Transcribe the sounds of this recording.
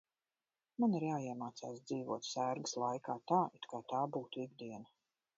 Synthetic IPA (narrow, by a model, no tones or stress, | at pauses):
maniɾjaːiɛmaːt̪sa̰ːsd̪ziːvṵɔt̪sæːɾɡɨslˠajkaːt̪aːit̪kaːt̪aːbuːt̪uiɡ̚d̪iɛna